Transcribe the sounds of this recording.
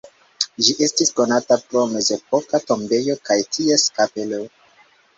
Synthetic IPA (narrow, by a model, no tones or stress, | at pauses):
ʒiʔe̞stisko̞natapɾo̞me̞ze̞po̞kato̞mbe̞jo̞kajtʰie̞skape̞lo